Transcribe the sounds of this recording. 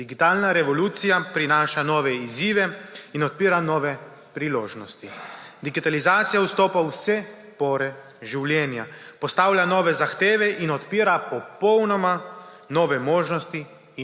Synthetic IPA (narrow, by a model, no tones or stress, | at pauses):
d̪iɡit̪aːlnaɾɛʋɔluːt̪sijapɾinaːʃanɔːʋɛiziːʋɛinɔt̪̚piːɾanɔːʋɛ | pɾiloːʒnɔst̪id̪iɡit̪alizaːt̪sijaust̪oːpawsɛ | pɔːɾɛ | ʒiwljɛːnja̰pɔst̪aːwlʲjanɔːʋɛzaxt̪eːʋɛʔinɔt̪piːɾapɔpɔwnɔma | nɔːʋɛmoːʒnɔst̪i